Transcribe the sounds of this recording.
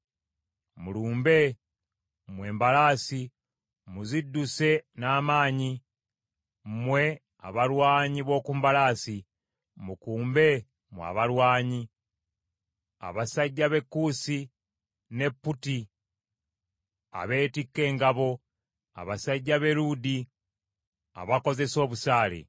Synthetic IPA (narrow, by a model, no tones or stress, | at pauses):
muluːmbe̞ | mwe̞ːmbalaːsi | muzidːuse̞naːmaːɲi | mwe̞ | a̰βaɾwaːɲiβo̞ːkumbalaːsi | mukuːmbe̞ | mwa̰βalwaːɲi | a̰βasaɟːaβe̞kːuːsi | ne̞pːuti | a̰βe̞ːtikːe̞ːŋɡaβo̞ | a̰βasaɟːaβe̞ɾudi | a̰βako̞ze̞so̞ːβusaːlḛ